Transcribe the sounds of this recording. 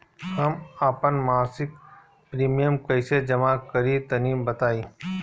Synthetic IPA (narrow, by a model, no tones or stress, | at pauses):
hɐmaːpənmaːsɪk̚ | pɾiːmijəmkɐsed͡ʒɐmakəɾit̪ɐniːmbɐt̪aːiː